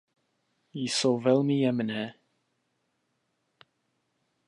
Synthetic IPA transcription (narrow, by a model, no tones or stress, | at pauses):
jisovɛlˠmiɛmənɛ